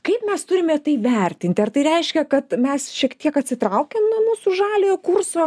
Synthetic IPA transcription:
kɐɪpmʲɛst̪ʊɾʲɪmʲɛt̪ɐɪʋʲɛrʲt̪ʲɪnʲt̪ʲɪɐrt̪ɐɪɾʲɛɪʃʲkʲɛkɐt̪mʲɛsʃʲiɛkt̪ʲiɛkɐt̪ʲsʲɪt̪ɾɐʊkʲɛːmnuɔmuːsʊʒɑːlʲeːjoːkʊrsoː

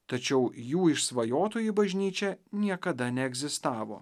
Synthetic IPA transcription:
t̪ɐt͡ʃʲɛʊjuːɪʃsʋɐjoːt̪oːjibɐʒʲnʲiːt͡ʃʲɛnʲiɛkɐd̪ɐnʲɛɛɡzʲɪst̪ɑːʋo̰ː

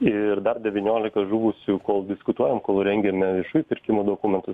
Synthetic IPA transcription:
ɪɾd̪ɐrd̪ʲɛʋʲinʲoːlʲɪkɐʒuːʋʊsʲukoːlˠd̪ʲɪskʊt̪uɔjɛmkoːlˠɾʲɛŋʲɡʲɛmʲɛʋʲiɛʃuːjpʲɪɾʲkʲɪmoːd̪oːkumʲɛnt̪ʊs

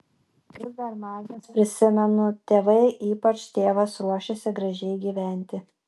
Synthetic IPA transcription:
ɪd̪ɐɾmɑːzʲnʲɛspʲɾʲɪsʲɪmʲɛnʊt̪ʲeːʋɐɪʔiːpɐt͡ʃt̪ʲeːʋɐsɾuɔʃʲesʲɪɡɾɐʒʲɛɪɡʲiːʋʲæˑnʲt̪ʲɪ

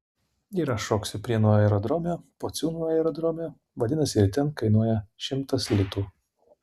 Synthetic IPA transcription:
iːɾɐʃoːksʲɪpʲɾʲiɛnuːjɛɾɔd̪ɾɔmʲɛpoːt̪sʲuːnujɛɾɔd̪ɾɔːmʲe | ʋɐd̪ʲɪnɐsʲɪɾʲt̪ʲɛnkɐɪnuɔjɛʃʲɪmt̪ɐslʲɪt̪uː

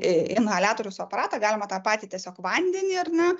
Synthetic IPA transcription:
ɪnɐlʲæːt̪oːɾʲʊsʊɐpɐɾɑːt̪ɑɡɑːlʲɪmɐt̪ɑːpɑːt̪ʲitʲiɛsʲoːkʋɐnʲd̪ʲɛnʲɪɐrnɐ

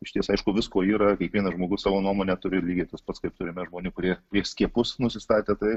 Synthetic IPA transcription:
ɪʃʲt̪ʲiɛsɐɪʃkʊʋʲɪskoːiːɾɐkʲiɛkʋʲiɛnɐʒmoːɡʊssɑːʋoːnuɔmoːnʲɛt̪ʊɾʲɪlʲiːɡʲiːt̪ʲɪspɐt̪skɐɪp̚t̪ʊɾʲɪmʲɛʒmoːnʲɪkʊɾʲiɛkɾʲiɛsʲkʲiɛpʊsnʊsʲɪst̪ɑːt̪ʲeːt̪ɐɪ

